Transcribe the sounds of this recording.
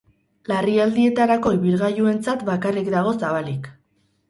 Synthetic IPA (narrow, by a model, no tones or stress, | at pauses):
lariald̪ie̞t̪aɾako̞iβiɾɣajue̞nt͡sat̪bakarikd̪aɣ̞o̞saβalik